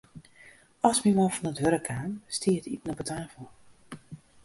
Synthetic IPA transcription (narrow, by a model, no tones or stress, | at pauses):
ɔsmimɔfɔnətʋøɾəkʰaːnstʰiːətitənɔbətʰaːfəlˠ